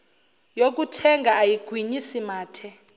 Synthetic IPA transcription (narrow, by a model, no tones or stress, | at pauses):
jok̬utʰɛŋɡaajiɡ̥ʱwiɲisimaːtʰɛ